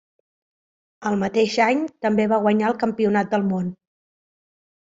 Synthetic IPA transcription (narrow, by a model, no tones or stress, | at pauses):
əlˠmət̪eʃaɲt̪əmbeβaɣ̞wəɲaəlˠkəmpiunat̪̚d̪əlˠmon